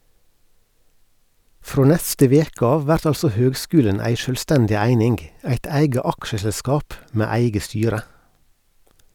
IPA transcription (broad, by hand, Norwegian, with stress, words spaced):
ˈfɾoː ˈnɛstə ˈʋeːk ˈɑː ˈʋæɾt ˈɑlsɔ ˈhøːɡˌskʉːlən ˈæɪ ˈʃøːlˌstɛndɪ ˈæɪnɪŋɡ ˈæɪt ˈæɪɡə ˈɑkʃəsɛlˌskɑːp ˈmeː ˈæɪɡə ˈstyːɾə